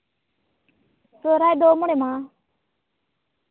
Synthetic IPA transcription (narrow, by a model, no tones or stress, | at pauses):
soːɾaːjd̪oːmʊɽemãː